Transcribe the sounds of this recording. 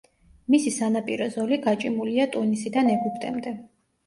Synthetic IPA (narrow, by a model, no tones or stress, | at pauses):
misisanapʼiɾɔzɔliɡat͡ʃʼimuliat̪ʼunisid̪anɛɡupʰt̪ʼɛ̰md̪ɛ